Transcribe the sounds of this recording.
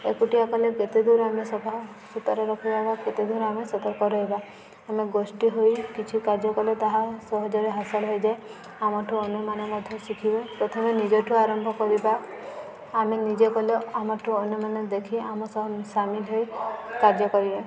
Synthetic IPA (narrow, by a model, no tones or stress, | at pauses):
ekuʈiakaleket̪ed̪uɾamesɔbʱa | sut̪ɔɾɔɾɔkʰibabaket̪ed̪uɾamesɔt̪ɔɾkɔɾɔɦiba | ameɡosʈiɦojkit͡ʃʰikaɾd͡ʒɔkɔlet̪aɦasɔɦɔd͡ʒaɾeɦasalɦɔjd͡ʒae | amɔʈʰuɔnɔmanɔmɔd̪ʱjɔsikʰibepɾɔt̪ʰɔmenid͡ʒɔʈʰuaɾɔmbʱɔkɔɾibaː | menid͡ʒekɔleamɔʈʰuɔnɔmaned̪ekʰiamɔsɔɦɔsamilɦojkaɾd͡ʒɔkɔɾibe